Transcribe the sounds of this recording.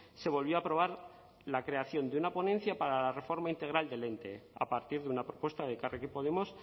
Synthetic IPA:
se̞βo̞lβjo̞apɾo̞β̞aɾ | lakɾe̞aθjo̞nd̪eunapo̞ne̞nθjapaɾalare̞fo̞ɾmaint̪e̞ɣɾald̪e̞le̞nt̪e̞̰a̰paɾt̪iɾðeunapɾopwe̞st̪aðekarekipo̞ðe̞mo̞s

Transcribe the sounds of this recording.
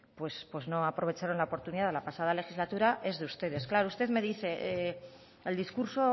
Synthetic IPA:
pwe̞spwezno̞apɾo̞β̞e̞t͡ʃaɾo̞nlaopo̞ɾt̪uniðaðlapasað̞ale̞xizlat̪uɾaʔe̞zðeust̪e̞ð̞e̞sklaɾoust̪e̞ðme̞ðiθe̞ | eld̪iskuɾso̞

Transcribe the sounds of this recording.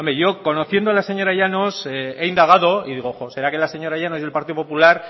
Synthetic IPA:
omɾeʝo̞ko̞noθje̞nd̪oalase̞ɲo̞ɾaʝanosee̞ind̪aɣ̞aðo̞iðiɣo̞xose̞ɾake̞lase̞ɲo̞ɾajano̞zelpaɾt̪iðopo̞pulaɾ

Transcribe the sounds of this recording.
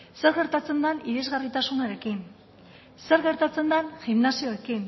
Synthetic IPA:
se̞ɾɣe̞ɾt̪at͡se̞nd̪aniðe̞zɣarit̪asunaɾe̞kin | se̞ɾɣe̞ɾt̪at͡se̞nd̪anʝimnasio̞e̞kin

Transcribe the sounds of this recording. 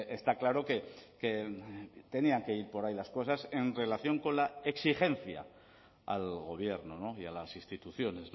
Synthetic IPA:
est̪aklaɾo̞ke̞ke | t̪e̞niaŋke̞iɾpo̞ɾajlasko̞sase̞nre̞laθjo̞ŋko̞nlaeksixe̞n̟θja̰ | a̰lɣ̞o̞β̞je̞ɾnono̞ialasinst̪it̪uθjo̞ne̞sn

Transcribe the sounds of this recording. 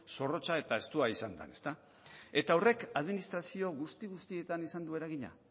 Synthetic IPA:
so̞ro̞t͡ʃae̞t̪ae̞st̪uaisand̪a̰ne̞st̪a | e̞t̪auwre̞kaðminist̪ɾasio̞ɣust̪iɣust̪ie̞t̪anisand̪ue̞ɾaɣ̞iɲa̰

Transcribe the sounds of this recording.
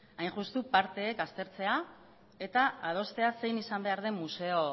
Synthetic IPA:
ajnʝust̪upaɾt̪e̞ːkast̪e̞ɾt͡se̞a | e̞t̪aað̞o̞st̪e̞ase̞jnisambe̞aɾð̞e̞mːuse̞o̞

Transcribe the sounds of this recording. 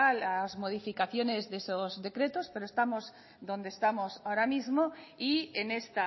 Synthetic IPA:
alazmoð̞ifikaθjonezðesozðe̞kɾet̪ospeɾoest̪amoz | d̪ond̪est̪amosaoɾamizmoienest̪a

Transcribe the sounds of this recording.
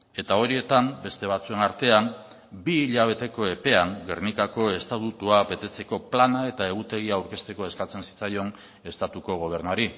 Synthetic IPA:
e̞t̪ao̞ɾie̞t̪ambe̞st̪e̞β̞at͡sue̞naɾt̪e̞am | biːʎaβ̞e̞t̪e̞ko̞e̞pe̞aŋɡe̞rnikako̞e̞st̪at̪ut̪uaβe̞t̪e̞t͡se̞ko̞planae̞t̪ae̞ɣ̞ut̪e̞ɣ̞iaːwɾke̞st̪e̞ko̞e̞skat͡se̞nsi̥t͡sajo̞n | e̞st̪at̪uko̞ɣ̞o̞β̞e̞ɾnuaɾi

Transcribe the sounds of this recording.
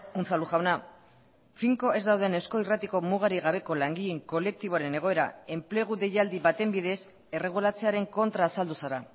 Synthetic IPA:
unt͡saluʝawna | fiŋko̞ʔe̞zd̪awð̞e̞ne̞sko̞irat̪iko̞muɣ̞aɾiɣaβ̞e̞ko̞laŋɡieŋko̞le̞k̚t̪iβ̞o̞aɾe̞ne̞ɣ̞o̞e̞ɾa̰e̞mple̞ɣ̞uðe̞jald̪iβat̪e̞mbið̞e̞s | e̞re̞ɣ̞ulat͡se̞aɾe̞ŋko̞nt̪ɾaːsald̪usaɾa

